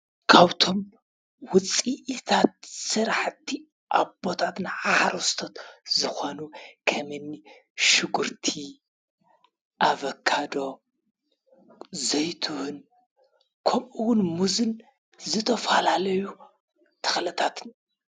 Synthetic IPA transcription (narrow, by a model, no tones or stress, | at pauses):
kʰaβt̪ʰo̞m | wʊt͡sʼiʔit̪ʰat̪̚sɨɾaħt̪ʰːi | ʔabo̞t̪ʰat̪nɨʕahaɾost̪ʰot̪zɨxonukʰɐmɨnːi | ʃɨɡuɾt̪ʰi | ʔaβɐkʰːad̪o̞ | zɐjt̪ʰuhʊn | kʰɐmʔuwʊnmuzɨn | zɨt̪ʰɐfalalɐju | t̪ʰɨ̥xlɨt̪ʰat̪n